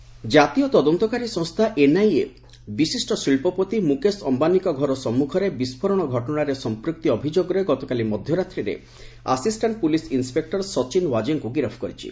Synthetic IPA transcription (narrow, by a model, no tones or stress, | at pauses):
d͡ʒat̪iɔt̪ɔd̪ɔnt̪ɔkaɾisɔ̃ŋst̪ʰaʔenaje | bisisʈɔsiɭpɔpot̪imukesɔmbanikɔɡʱɔɾɔsɔmːukʰɔɾebispʰɔɾɔɽ̃ɔɡʱɔʈɔɽaɾesɔmpɾuk̚t̪iɔbʱid͡ʒoɡɔɾeɡɔt̪ɔkalimɔd̪ʱjɔɾat̪ɾiɾḛ | a̰sisʈaɳʈ̚pulisinspek̚ʈɔɾsɔt͡ʃinwad͡ʒeŋkuɡiɾɔpʰkɔɾit͡ʃʰḭ